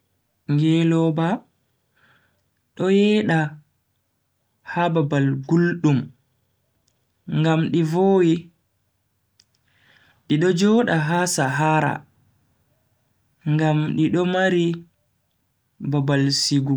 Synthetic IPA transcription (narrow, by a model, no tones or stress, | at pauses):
ŋɡɛlɔba | ɗɔjɛːɗa | hababalɡulɗum | ŋɡamɗivoːwi | ɗiɗɔd͡ʒɔːɗaɦasaɦaɾa̰ | ŋɡamɗiɗɔmaɾi | babalsiɡu